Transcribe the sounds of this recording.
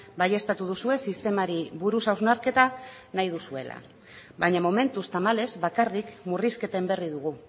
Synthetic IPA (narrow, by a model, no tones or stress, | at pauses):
baje̞st̪at̪uð̞usue̞sist̪e̞maɾiβuɾusawznaɾke̞t̪a | najð̞usue̞̰la̰ | baɲamo̞me̞nt̪ust̪amale̞zβakarikmuriske̞t̪e̞mbe̞riðuɣ̞u